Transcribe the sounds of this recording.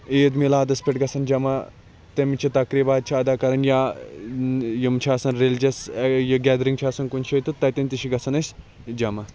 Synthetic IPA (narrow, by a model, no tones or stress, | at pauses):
eːd̪milaːd̪ɐspeʈɡɐsʰɐnd͡ʒɐmɐ | t̪emit͡ʃʰit̪ɐkɾibaːd̪̚t͡ʃʰiɐd̪aːkɐɾɐnjaː | jimt͡ʃʰiaːsɐnɾeld͡ʒɐsjiɡɛːd̪ɾiŋt͡ʃʰaːsɐnkunt͡ʃʰit̪ɨt̪ɐt̪inʲt̪iʃiɡɐsʰɐnɐsʲ | d͡ʒɐmɐ